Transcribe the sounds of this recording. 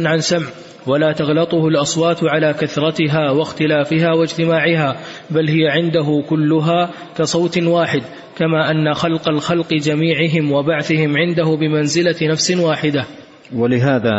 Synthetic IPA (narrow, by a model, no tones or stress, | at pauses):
nʕansamʕ | walaːt̪ɑɣlɑt̪ˤʊhʊlʔɑsˤwɑːt̪ʕalaːkaθɾˤɑt̪ɪɦaːwaxt̪ɪlaːfɪɦaːwad͡ʒt̪ɪmaːʕɪɦaːbalɦɪjaʕɪnd̪aɦʊkʊlːʊɦaː | kɑsˤɑwt̪waːħɪd̪ | kamaːʔanːaxɑlqɑlxɑlqɨd͡ʒamiːʕɪɦɪmwabaʕθɪhɪmʕɪnd̪ahʊbɪmanzɪlanafsɪnwaːħɪd̪a | walɪɦaːðaː